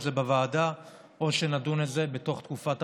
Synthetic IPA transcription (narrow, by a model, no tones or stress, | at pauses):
zebevaːda | ʔo̞ʃe̞nadunetze̞be̞to̞χt̪kufat